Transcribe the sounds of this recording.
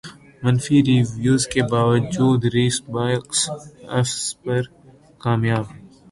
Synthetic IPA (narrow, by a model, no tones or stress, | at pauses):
mɐnfiɾiʋjuːzkebaːʋəd͡ʒuːd̪ɾiːsbaːjksɐ̰fspɐɾ | kaːmjaːb